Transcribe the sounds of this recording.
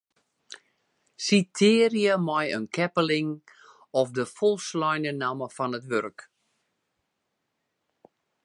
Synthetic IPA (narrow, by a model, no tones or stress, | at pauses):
sitʰɪːrjəmɔjənkʰɛpəlɪŋ | ɔfdəfɔlˠslɔjnənaməfɔnətʋørk